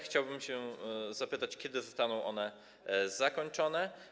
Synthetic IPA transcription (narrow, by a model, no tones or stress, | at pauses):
xt͡ɕawbɘmɕɛzapɘt̪at͡ɕkʲɛd̪ɘzɔst̪anɔ̃w̃ʔɔnɛ | zakɔɲt͡ʂɔnɛ